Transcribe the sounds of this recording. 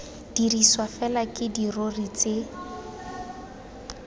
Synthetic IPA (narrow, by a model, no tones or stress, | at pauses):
d̥iriswafɛlakʼɪdirorit͡sɪ